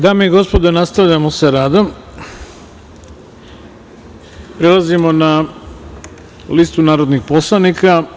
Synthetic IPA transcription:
d̪aːmeiɡo̞spo̞d̪enast̪aʋʎamoseɾaːd̪om | pɾelˠazimo̞na | list̪unaːɾo̞d̪nixpo̞slˠanika

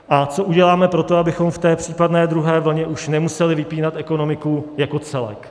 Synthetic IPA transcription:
ʔat͡so̞ʔuɟɛlaːmɛpɾo̞t̪oabɪxo̞mft̪ɛːpr̝̥iːpadnɛːd̪ɾuɦɛːvl̩ɲɛʔuʃnɛmusɛlɪvɪpiːnat̪ʔɛko̞no̞mɪkujako̞t͡sɛlɛ̰k

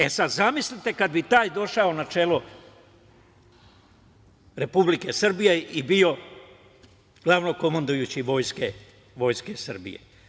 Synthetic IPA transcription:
esad̪zamislit̪e̞kad̪̚bit̪aːjd̪o̞ʃao̞nat͡ʃe̞ːlo | ɾe̞publike̞sr̩bijeibio̞ | ɡ̥laʋno̞ko̞mand̪ujut͡ɕiʋo̞jske | ʋo̞ːjskesɨr̩bḭjḛ

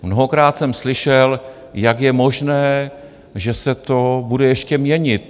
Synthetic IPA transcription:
mnoɦokɾaːt̪sɛmslɪʃɛl | jakjɛmo̞ʒnɛː | ʒɛsɛt̪o̞budɛjɛʃcɛmɲɛɲɪt̪̚

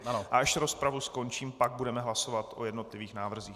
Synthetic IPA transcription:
anoʔaaʃɾo̞spɾavusko̞nt͡ʃiːmpaɡ̚budɛmɛɦlaso̞vat̪ʔo̞jɛdno̞t̪lɪviːxnaːvr̩ziːx

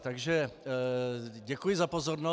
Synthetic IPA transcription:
t̪aɡʒɛ | ɟɛkujɪzapo̞zo̞ɾno

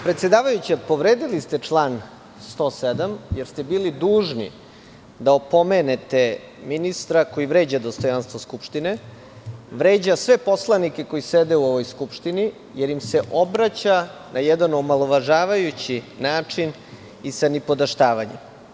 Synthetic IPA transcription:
pɾet̪sʲed̪aːʋajut͡ɕepo̞ʋɾeːd̪ilist̪e̞t͡ʂlˠan | st̪o̞ːsed̪amjeɾst̪e̞biːlid̪uːʐnḭ | d̪aopo̞me̞net̪e̞ | minist̪ɾako̞jiʋɾe̞ːd͡ʑad̪o̞st̪o̞janst̪ʋoskupʃt̪ine̞ | ʋɾe̞ːd͡ʑasʋe̞po̞slˠanike̞ko̞jised̪euoʋo̞jskupʃt̪ini | jeɾimse̞ʔo̞bɾat͡ɕanajɛd̪anomalˠo̞ʋaʒaːʋajut͡ɕinaːt͡ʂin | isanipo̞d̪aʃt̪aːʋaɲem

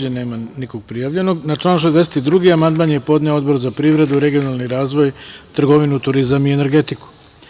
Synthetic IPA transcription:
d͡ʑeneːmaniko̞ɡ̚pɾijaʋʎe̞no̞ɡnat͡ʃlˠaːnuʃ̬ezd̪e̞set̪id̪ɾuɡiamand̪manjepo̞d̪neoo̞d̪bo̞ɾzapɾiːʋɾe̞d̪uɾe̞ɡijo̞nalˠniɾaːzʋo̞jt̪r̩ɡo̞ʋinut̪uɾizamiene̞ɾɡe̞t̪iku̥

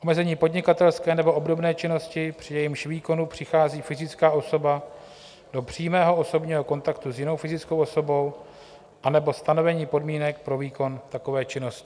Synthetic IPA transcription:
ʔo̞mɛzɛɲiːpo̞dɲɪkat̪ɛlskɛːnɛbo̞ʔobdo̞bnɛːt͡ʃɪno̞scɪpr̥ɪjɛjɪmʃviːko̞nupr̥ɪxaːziːfɪzɪt͡skaːʔo̞so̞ba | d̥o̞pr̝̥iːmɛːɦo̞o̞so̞bɲiːɦo̞ko̞nt̪akt̪uzjɪno̞wfɪzɪt͡skowʔoso̞bo̞w | ʔanɛbo̞st̪ano̞vɛɲiːpo̞dmiːnɛkpɾo̞viːko̞nt̪ako̞vɛːt͡ʃɪno̞scɪ̥

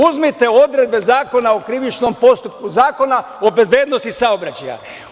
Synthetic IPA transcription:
uzmit̪e̞o̞d̪ɾe̞d̪̚be̞zaːko̞naokɾiʋit͡ʃno̞mpo̞st̪up̚kuzaːko̞na | o̞be̞zbeːd̪nost̪isaobɾat͡ɕaja̰

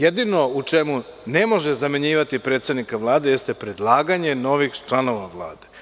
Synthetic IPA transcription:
jed̪ino̞ut͡ʃemune̞mo̞ʒezameɲiːʋat̪ipɾe̞ːt̪st̪ed̪nikaʋlˠaːd̪e̞jest̪e̞pɾe̞d̪lˠaːɡaɲe̞no̞ʋixt͡ʃlˠano̞ʋaʋlˠa̰ːd̪e̞

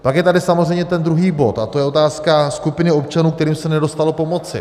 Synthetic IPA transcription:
pakjɛt̪adɪsamozrɛjmɲɛt̪ɛnd̪ɾuɦiːbo̞t̪at̪o̞jɛo̞t̪aːskaskupɪnɪop̚t͡ʃanuːkt̪ɛɾiːmsɛnɛdo̞st̪alopo̞mo̞t͡sɪ̰

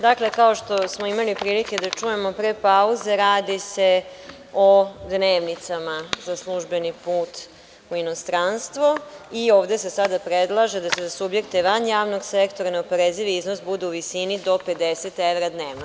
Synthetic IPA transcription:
d̪akle̞kaoʃt̪o̞smoimalipɾiːlike̞d̪at͡ʃuje̞mo̞pɾepauze̞ɾaːd̪ise | od̪neːʋnit̪samazaslˠuʒbe̞nipuːt̪ | uino̞st̪ɾanst̪ʋoio̞ːʋd̪e̞se̞sad̪apɾed̪lˠaʒed̪asezasubje̞kt̪e̞ʋanjaːʋno̞ɡsekt̪o̞ɾaneopoɾeziʋiiznosbud̪euʋisinid̪o̞pe̞d̪eset̪eʋɾad̪neːʋno

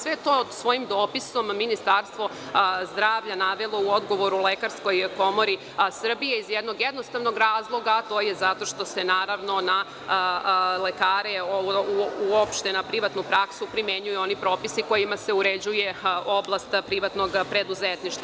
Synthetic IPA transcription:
sʋe̞jet̪o̞ːd̪sʋo̞jimd̪o̞piso̞mːinist̪aɾst̪ʋo̞ | zd̪ɾaːʋʎanaʋelˠo̞uod̪ɡo̞ʋo̞ɾulekaɾsko̞jko̞mo̞ɾi | sr̩bije̞izjed̪no̞ɡjed̪no̞st̪aʋno̞ɡɾaːzlˠo̞ɡaːt̪o̞ːjezat̪o̞ʃt̪o̞se̞naːɾaʋno̞na | lekaːɾeouuopʃt̪enapɾiʋat̪nupɾaksupɾimeɲujuo̞nipɾo̞ːpisiko̞jimase̞uɾe̞d͡ʑuje̞ʔoblˠast̪pɾiʋat̪no̞ɡpɾe̞d̪uzet̪niʃt̪ʋa

